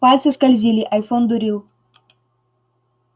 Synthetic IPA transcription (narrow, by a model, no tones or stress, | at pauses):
alʲsɐskɐlʲzilʲiʔɐjfond̪uɾilˠ